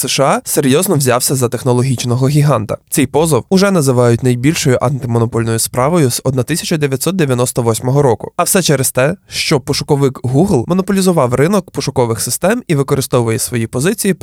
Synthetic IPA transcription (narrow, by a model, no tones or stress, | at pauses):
sɛʃɑseɾʲjɔznɔwzʲɑwsʲɐzɐt̪exnɔlˠɔɦʲit͡ʃnɔɦɔɦʲiɦɑnt̪ɐ̰t̪sɛjpɔzɔwʊʒɛnɐzɪʋɑjʊtʲnɐjbʲilʲʃɔjʊʔɐnt̪ɪmɔnɔpɔlʲnɔjʊspɾɑʋɔjʊzɔd̪nat̪ɪsʲɐt͡ʃɐd̪eʋʲjɐtʲsɔt̪̚d̪eʋʲjɐnɔst̪ɔʋɔsʲmɔɦɔɾɔkʊɐwsɛt͡ʃɛɾest̪ɛʃt͡ʃɔpɔʃʊkɔʋɪkɦuɦlˠmɔnɔpɔlʲizʊʋɑwrɪnɔkpɔʃʊkɔʋɪxsɪst̪ɛmiʋɪkɔɾɪst̪ɔʋʊʋɔjesʋɔjipɔzɪt͡sʲiji